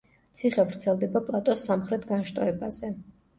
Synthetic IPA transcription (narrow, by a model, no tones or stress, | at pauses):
t̪sʰiχɛvɾt̪sʰɛlˠd̪ɛbapʼlˠat̪ʼɔsːamχɾɛt̪ʰɡanʃt̪ʼɔɛbaz̥ɛ